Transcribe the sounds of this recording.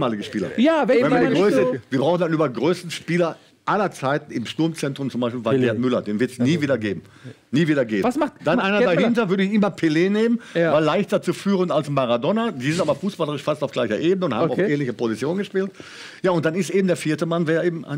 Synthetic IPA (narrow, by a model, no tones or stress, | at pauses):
maːlɪɡəʃpiːlɐ̰jaɛvɛnviɐdiɡʁøːsəviːɐbʁaʊxn̩danʔyːbɐɡʁøːstn̩ʃpiːlɐ | ʔalɐt͡saɪtn̩ɪmʃtʊɐmt͡sɛntʁ̥ʊmt͡sʊmbaɪʃ̬pilvaɡɛɐtmʏlɐdeːnvɪɐtsniːviːdɐɡeːbm̩ | niːviːdɐɡeːbasd̥anʔaɪnɐdahɪntɐvʏɐɾəɪçʔɪmɐpʰeleːneːmənvalːaɪçtɐt͡suːfyːʁəntalsnmaʁadɔnad̥iːzɪntaːbɐfuːsb̥aləʁɪʃfastaʊfɡlaɪçɐʔeːbənəʊnthaːmaʊfɛːnlɪçəpʰozit͡sjoːnɡəʃpiːltjaːʊnt̚d̥anɪstʔeːbm̩deːɐfiːɐtəmanveːɐeːbm̩ʔa̰ɪ